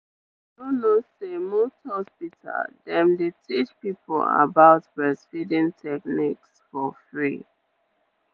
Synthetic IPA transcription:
donosemosthɔspitʰa̰ldɛ̃mdetʰit͡ʃpipɔ̰la̰baʊtbɹɛsfidĩŋtʰɛk̚niksfɔfɹi

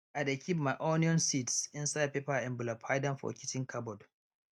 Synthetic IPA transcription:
ʔajdekʲʰip̚majʔɔniɔ̃nsitsɪnsajd̚pepaɛ̃mbulapʰajdãnfɔ̰kʲitɪ̃ŋkʰabɔd

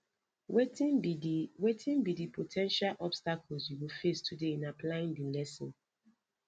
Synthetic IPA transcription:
wetĩnbidiwetʰĩnbidipʰotʰɛ̃nʃalʔɔbstakʰɔlzjuwifestʰudeĩnaplaĩndilɛsɔ̃n

